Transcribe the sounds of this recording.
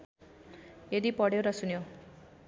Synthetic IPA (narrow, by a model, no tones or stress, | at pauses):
jed̪ipʌɽjoɾʌsunjo